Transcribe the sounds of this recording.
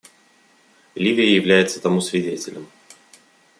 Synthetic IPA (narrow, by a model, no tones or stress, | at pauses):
lʲivʲɪjəjɪvlʲæjɪt̪sət̪ɐmusvʲɪdʲetʲɪlʲɪm